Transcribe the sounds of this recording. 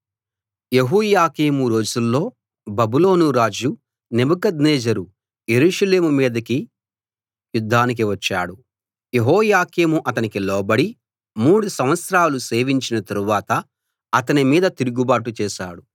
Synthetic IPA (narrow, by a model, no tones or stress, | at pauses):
je̞ɦuːjaːkeːmuɾo̞ːd͡ʒulːo̞ː | bɐbuloːnuɾaːd͡ʒu | nebɐkɐd̪nɛːd͡ʒɐɾu | je̞ɾuːʂɐle̞ːmumiːd̪ɐki | jud̪ʱːaːnik̬iʋɐt͡ʃːa̰ːɽu | jeɦɔːjaːkeːmuʔɐt̪ɐnikilɔːbɐɽi | muːɽusɐmʋɐt̪sɾaːluse̞ːʋiɲt͡ʃinɐt̪ɐɾuʋaːt̪ɐː | t̪ɐnimiːd̪ɐt̪iɾuɡubaːʈut͡ʃɛːʃa̰ːɽu